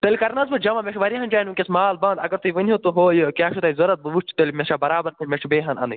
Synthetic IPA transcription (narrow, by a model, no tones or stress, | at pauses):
t̪ɐlʲkɐɾnɐzbɨd͡ʒɐmɐmʲeʃʰʋɐɾiɦɐnd͡ʒaːnʋukʲesmaːlbãːnd̪ɐɡɐɾt̪ʰuʋɨnʲɦot̪uɦojkʲaːʃʰut̪ɐjzoɾɐt̪̚bɨʋut͡ʃʰt̪ɐlʲmeʃabɐɾaːbɐɾt̪ʰimʲeʂbeːɦɐnɐ̰nɨ